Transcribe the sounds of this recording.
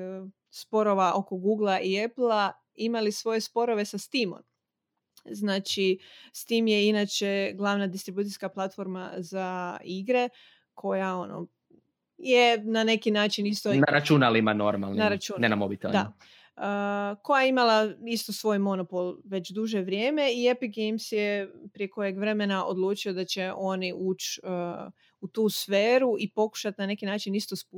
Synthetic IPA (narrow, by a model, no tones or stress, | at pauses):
spo̞ɾo̞ʋaʔo̞ko̞ɡuːɡlˠaʔieplˠa | imalisʋo̞je̞spo̞ɾo̞ʋe̞sast̪imo̰n | znaːt͡ʃist̪imjeinat͡ʃe̞ɡlˠaʋnad̪ist̪ɾibuːt̪ijskaplˠat̪fo̞ɾma̰zaiɡɾe̞ | kʰo̞jao̞no̰ | jenane̞kinaːt͡ʃinist̪onaɾat͡ʃunalimano̞ɾma̰lˠnnaɾat͡ʃunnenamobit̪eld̪̰a̰ | əko̞jajeimalˠaist̪osʋo̞ːjmo̞nopo̞lˠʋe̞t͡ɕd̪uʒe̞ʋɾʲjeːme̞iepiɡejmsjepɾie̞ko̞je̞ɡʋɾe̞me̞naʔo̞̰d̪lˠuːt͡ʃio̞d̪at͡ɕe̞ʔo̞niʔuːt͡ɕə | ut̪uːsfeːɾuipo̞ku̥ʃat̪nane̞kinaːt͡ʃinist̪osp